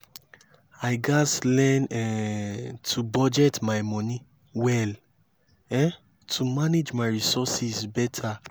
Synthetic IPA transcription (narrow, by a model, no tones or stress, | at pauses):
aɪɡaslɛ̃nɛ | tʰubɔd͡ʒɛtmaɪjmɔ̃ni | wɛl | ɛ | tʰumaned͡ʒmaɪɹisɔsisbɛtʰa